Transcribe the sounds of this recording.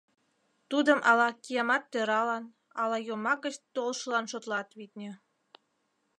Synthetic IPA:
t̪ud̪əmʔɑlɑkijɑmɑt̪ːøɾɑlɑn | ɑlɑjomɑɡət͡ɕt̪olʃəlɑnʃot̪lɑt̪βit̪̚nʲø̆

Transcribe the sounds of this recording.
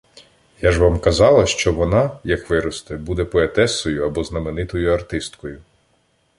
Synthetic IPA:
jaʒʋɑmkɐzɑlˠɐʃt͡ʃɔʋɔnɑjɐkʋɪɾɔst̪ɛbud̪ɛpɔet̪ɛsɔjʊɐbɔznɐmenɪt̪ɔjʊɐrt̪ɪst̪kɔjʊ

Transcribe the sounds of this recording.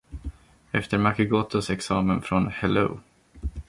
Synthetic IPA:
ɛft̪əɾmakəɡoːt̪ɔsɛksɑːmənfɾɔnhɛlo̰ʊ

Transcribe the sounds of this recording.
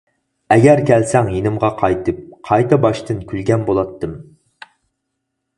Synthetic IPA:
ɛɡʲɛɾkʲʰælsɛŋjenɪmʁɑqʰɑjt̪ʰɨp̚qʰɑjt̪ɑbɑʃt̪ʰɨnkʲʰylɡʲɛnbolˠɑt̪ːɨm

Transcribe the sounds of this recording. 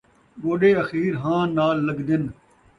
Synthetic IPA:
ɡoːɖeːɐxiːɾɦãːnaːlːəɡd̪ɪn

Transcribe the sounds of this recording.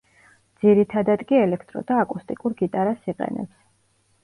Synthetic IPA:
d̪z̥iɾit̪ʰad̪ad̪kʼiɛlɛkʰt̪ʼɾɔ̰d̪aːkʼust̪ʼikʼuɾɡit̪ʼaɾasiqʼɛ̰nɛ̰ps

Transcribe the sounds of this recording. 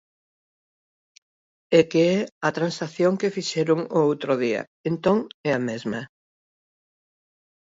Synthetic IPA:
ekeɛɐt̪ɾãnsaθjõŋkɪfiʃɛɾʊŋoowt̪ɾʊðiɐ̰ | ent̪oŋɛɐmezmɐ

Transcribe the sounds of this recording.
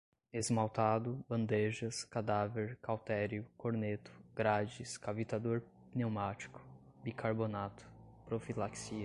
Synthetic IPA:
ezmawt̪ad̪ʊbɐ̃nd̪eʒɐskad̪aveɾkawt̪ɛɾjʊkoɾnet̪ʊ̥ɡ̥ɾad͡ʒiskavit̪ad̪oɾ | newmat͡ʃi̥kʊ̥ | bikʰaɾbonat̪ʊ̥pɾofilaksiɐ

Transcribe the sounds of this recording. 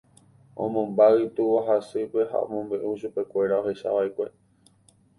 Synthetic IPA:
õ̰mõ̞mbait̪uwaɦasɨpe̞ha̰õ̰mõ̞mbẽ̞ʔuʃupe̞kʷe̞ɾao̞ɦe̞ʃa̰ʋaikʷe̞

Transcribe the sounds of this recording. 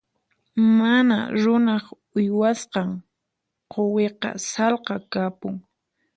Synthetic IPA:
mana̰ɾʊnɑχ | ʊjwasqɑŋ | qoweqɑ̰sɑlqɑkapʊŋ

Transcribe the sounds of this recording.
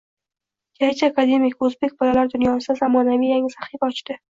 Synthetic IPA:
kat͡ʃakad̪emikozbek̚balalaɾd̪ʊnjɑnst̪azamɒnamijaŋsaχibɒt͡ʃd̪ɪ

